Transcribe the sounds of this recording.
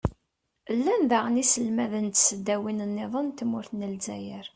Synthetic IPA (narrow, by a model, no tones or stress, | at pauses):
lːænðaʁənisəlmæðənt̪səd̪ːæwinənːɪðˤənt̪mʊɾθnəlzæjəɾ